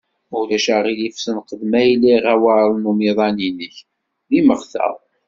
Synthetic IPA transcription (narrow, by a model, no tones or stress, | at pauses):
ʊlæʃaʁilifsənqəðmæilːiʁæwaɾlnumiðˤɑninəç | ðiməχθə̰ðˤ